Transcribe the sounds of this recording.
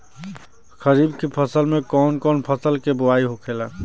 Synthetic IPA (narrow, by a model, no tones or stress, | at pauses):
xʰəɾibkepʰəsəlmekɔnkɔːnpʰəsəlkebʊaiɦokʰela